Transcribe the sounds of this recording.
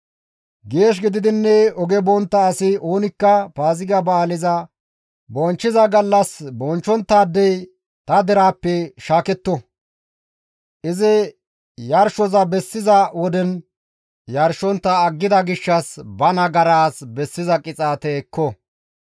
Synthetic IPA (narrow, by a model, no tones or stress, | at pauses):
ɡe̞ːʃ̬ɡɪd̪ɪd̪ɪnːɛɔɡɛbɔnt̪ːɐːsɪʔoːnɪkːɐpaːzɪɡɐbɐːlɪzɐ | bɔnt͡ʃːɪzɐɡɐlːɐsbɔnt͡ʃːɔnt̪ːaːd̪ːɛj | t̪ɐd̪ɛɾaːpːɛʃaːkɛt̪ːɔ | ʔɪzɪ | jɐɾʃɔzɐbɛsːɪzɐwɔd̪ɛn | jɐɾʃɔnt̪ːɐːɡːɪd̪ɐɡɪʃːɐsbɐnɐɡɐɾaːsbɛsːɪzɐkʼɪt͡sʼaːt̪ɛːkːɔ